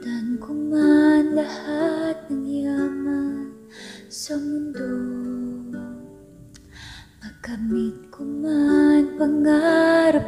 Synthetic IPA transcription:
t̪ankumanlahat̪̚nəŋiaman | sɔmund̪u | makamit̪̚kumanpəŋaɾəp

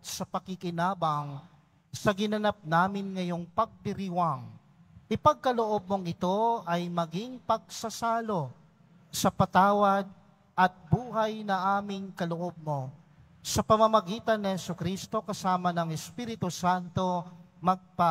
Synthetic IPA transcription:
sɐpɐkɪkɪnaːbɐŋ | sɐɡɪnɐnap̚naːmɪnŋɐjo̞ŋpɐɡ̚d̪ɪɾiwaŋ | ʔɪpɐɡ̚kɐloʔo̞b̚moŋɪt̪o̞ɐjmɐɡɪŋpɐɡ̚sɐsaːlo̞ | sɐpɐt̪aːwɐd̪̚ | ʔɐt̪̚buːɦajnɐŋʔaːmɪŋkɐloʔo̞b̚mo | sɐpɐmɐmɐɡiːt̪ɐnːɪhɛsʊkɾist̪o̞kɐsaːmɐnɐŋɛspiːɾɪt̪usant̪o̞mɐɡ̚pa

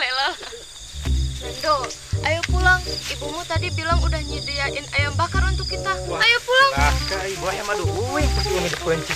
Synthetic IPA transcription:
lelal | dohajupulaŋibumut̪adibilaŋudahɲidijaʔinajaŋbakarunt̪ʊkːit̪aajupulaŋaaibuajamaduuianidipuɛnsi

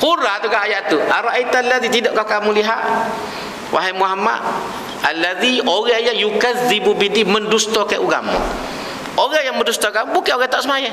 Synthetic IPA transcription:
huɾat̪ukaɦajaʔt̪uʔaɾaʔit̪alːaðit̪idɔʔkakamuliɦaʔ | wʔa̰ɦɛjmuɦama̰ʔ | alːaðioɣɛhajajukazibubidiməndust̪ɔkaʔuɡa̰mṵ | oɣahjaŋməndust̪ɔkambukɛʔoɣɛt̪aʔsəmaja

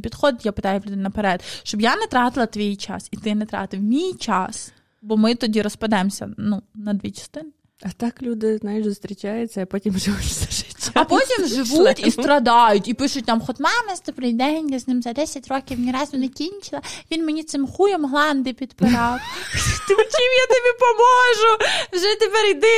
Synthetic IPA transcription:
pʲid̪xɔd̪t̪japɨt̪ajʊlʲud̪ɪnɐpeɾɛd̪ʃt͡ʃɔbjanɛt̪ɾɑt̪ɪlˠɐt̪ʋʲijt͡ʃa̰sit̪ɪnɛt̪ɾɑ̰t̪ɪwmʲijt͡ʃas | bɔmɪt̪ɔdʲiɾɔspɐd̪ɛmsʲɐ̰nunɐd̪ʋʲit͡ʃɐ̥st̪ɪnɪ | ɐt̪aklʲud̪ɪznajɪʃst̪ɾʲɪt͡ʃajʊtsʲɐipɔtʲimʐɪʋutʲsɐ̥ʒɪtʲɐpotʲimʐɪʋutʲist̪ɾɐd̪ɑjʊtʲipɪʃʊt̚ʲnamxɔt̪mɑmɐzd̪ɔbɾɪjd̪ɛnʲjɐznɪmzɐd̪ɛsʲɐtʲrɔkʲiwnʲiɾɑzʊnɛkʲinʲt͡ʃɪlˠɐʋʲinmenʲit̪sɪmxujɔmɦlˠɑnd̪ɪpʲid̪pɪɾɑwt̪ɪt͡ʃʲimjat̪ɪbʲipɔmɔʒʊwʒɛt̪ɪpɛɾjd̪ɪ

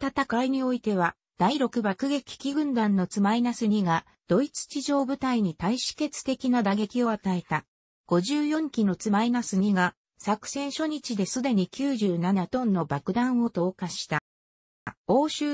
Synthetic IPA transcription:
t̪at̪akaiɲ̟io̞it̪e̞β̞a | d̪̥aiɾo̞kɯ̟bakɯ̟ɡe̞kʲi̥kʲiɡɯ̟̃nd̪ãnːo̞t͡sɨmainasɨɲ̟iɡa | d̪̥o̞it͡sɨ̥t͡ɕiʑo̞ːbɯ̟t̪aiɲ̟it̪aiɕi̥ke̞t͡sɨ̥t̪e̞kʲinad̪aɡe̞kʲio̞at̪ae̞t̪a | ɡ̥o̞ʑɨːjõ̞ŋkʲino̞t͡sɨmainasɨɲ̟iɡa | sakɯ̟̥sẽ̞ɰ̃ɕo̞ɲ̟it͡ɕid̪e̞sɨd̪e̞ɲ̟ikʲɨːʑɨːnanat̪õ̞nːo̞bakɯ̟d̪ãɰ̃o̞t̪o̞ːkaɕi̥t̪a | o̞ːɕɨː

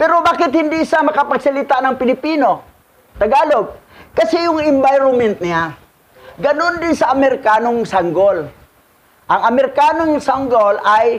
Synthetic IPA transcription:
pɛɾobaːkɪt̪hɪnd̪iʔɪsamɐkɐpɐɡsɐlɪt̪anɐŋpɪlɪpiːno | t̪ɐɡaːloɡ̚ | kɐsɛjʊŋɪmbajɾomɛnt̪nɪa | ɡɐnond̪ɪnsɐʔɐmɛɾɪkaːnoŋsaŋɡol | ʔɐŋɐmɛɾɪkaːnoŋsaŋɡolaj

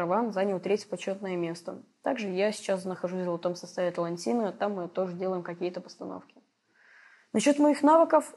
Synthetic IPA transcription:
ɾɐvanzanʲəlˠt̪ɾʲetʲpɐt͡ɕːo̞t̪nəjəmʲe̞st̪ət̪aɡʐɨjasʲɪ̥t͡ɕasnəxɐʐusʲvvɐt̪o̞msɐst̪avʲɪt̪əlˠɐnʲtʲinɨt̪amːɨt̪o̞ʐɨdʲe̞lˠəjɪmkɐkʲijət̪əpə̥st̪ɐno̰fkʲɪ̥ | nɐɕo̞t̪mɐixnavɨkəf

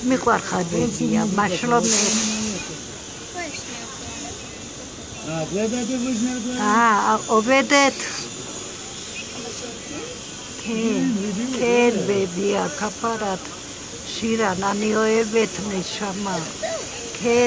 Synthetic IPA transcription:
mikʼwaɾχaɾbɛdiamaʃlɔnɛt | aaʔɔβɛd̪ɛt̪ʰ | kʰɛ | kʰɛɾbɛbiakʰapaɾat̪ʰ | ʃiɾananiɔɛβɛt̪ʰmɛʃama | kʰɛː

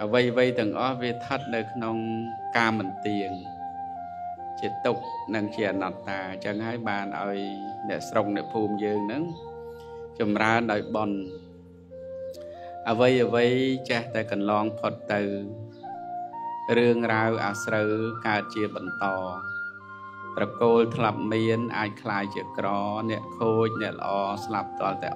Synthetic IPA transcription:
ʔəʋəjʋɨjt̪ɛ̆əŋʔɑhʋiət̪ʰət̪̚nɨwkʰnoŋ | kaːmɨnt̪iəŋ | t͡ɕiət̪ʊk̚nɨŋt͡ɕiəʔanɑt̪ːaːt͡ɕəŋɦaəjɓaːnʔa̰ɔjnɛ̆əʔsrok̚nɛ̆əʔpʰuːmjəːŋnɨŋ | t͡ɕɑmraənɗaɔjɓon | ʔəʋɨjʔəʋɨjt͡ɕɛht̪aɛkɑnlɑːŋpʰot̪ːɨw | rɨəŋrawʔa̰ːsrəwkaət̪̚t͡ɕiəɓɑnt̪ɑː | p̪rɑkoːlt̪ʰlap̚miənʔaːc̚kʰlaːjt͡ɕiəkrɑːnɛ̆əʔkʰoːc̚nɛ̆əʔlə̰̆ʔɑːslap̚t̪ŏəlt̪aɛ

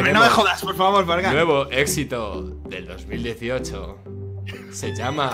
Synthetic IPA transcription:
menomexoðaspoɾfaβo̞ɾβaɾɣanwe̞β̞o̞ʔe̞ksit̪o̞ðe̞ld̪o̞̰zmild̪je̞θio̞t͡ʃo̰ | se̞ʝama

